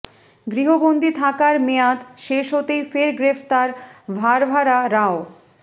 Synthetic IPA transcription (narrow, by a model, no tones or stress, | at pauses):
ɡɾiɦoɡond̪ʱit̪ʰakaɾmejat̪ʃeʃɦot̪ejfeɾɡɾeft̪aɾbʱaɾbʱaɾaɾao